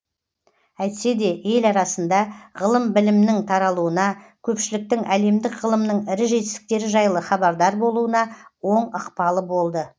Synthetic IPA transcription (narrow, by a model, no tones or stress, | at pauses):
æjt̪se̞d̪e̞e̞lɑɾɑsənd̪ɑʁəlˠəmbɪlɪmnɪŋt̪ʰɑɾɑlˠuənɑkʲʰɵpʃɪlɪk̚t̪ɪŋæle̞md̪ɪkʁəlˠəmnəɴɪɾɪʒe̞t̪ɪst̪ɪ̥k̚t̪e̞ɾɪʒɑjlˠəχɑbɑɾd̪ɑɾbo̞lˠuənɑwo̞ɴəqpɑlˠəbo̞lˠd̪ə